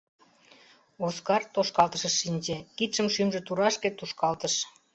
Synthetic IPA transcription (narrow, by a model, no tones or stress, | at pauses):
oskɑrt̪oʃkɑlt̪əʃə̆ʃːinʲd͡ʑekit̪ʃəmʃymʒĕt̪uɾɑʃket̪uʃkɑlt̪əʃ